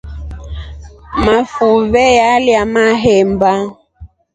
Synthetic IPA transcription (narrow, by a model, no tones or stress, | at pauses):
mafuvɛjaljamaɦɛmba